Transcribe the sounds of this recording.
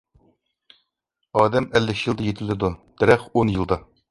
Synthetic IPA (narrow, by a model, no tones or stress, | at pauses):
ɑːd̪ɛmælːɪkʲjɨlˠd̪ɑjet̪ʰɪlɪd̪ud̪̥æɾɛχonjɨlˠd̪ɑ